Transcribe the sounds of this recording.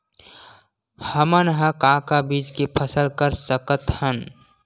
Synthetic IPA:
həmənɦə̃kãkabiːd͡ʒkipʰəsəlkəɾsəkət̪hən

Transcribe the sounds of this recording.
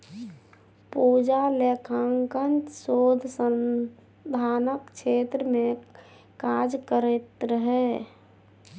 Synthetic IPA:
puːd͡ʒalekʰaŋkənt͡ʃsoːd̪ʱsən | d̪ʱaːnəkt͡ʃʰet̪ɾəmẽ | kad͡ʒkəɾet̪ɾəɦɛ

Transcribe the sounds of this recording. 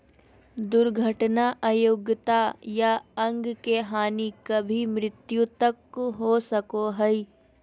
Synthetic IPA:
d̪ʊɾɡʱəʈnaʔaːjoɡjət̪ajaɐ̃ŋɡkeɦaːnikɐbʱimɾɪt̪jũt̪ɐkɦosɐkoɦɛi

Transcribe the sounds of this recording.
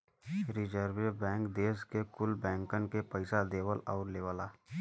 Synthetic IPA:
ɾɪd͡ʒəɾwebɛ̃ːŋkd̪eːskekʊlbɛ̃ːŋkənkepəɪsad̪eːwəlɔːɾleːwəlaː

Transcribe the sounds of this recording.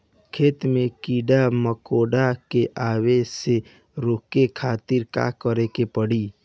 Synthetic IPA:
kʰeːt̪mẽkiːɖaməkoːɖakeʔaːwese | ɾoːkekʰaːt̪ɪɾka̰kəɾekepəɽiː

